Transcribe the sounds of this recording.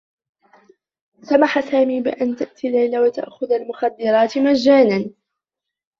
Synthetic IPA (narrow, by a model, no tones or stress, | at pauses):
samaħasaːmiːbɪʔant̪aʔt̪ʰilːajlawat̪a̰ʔxʊðalmʊxad̪ːɪɾˤɑːt̪mad͡ʒːaːnan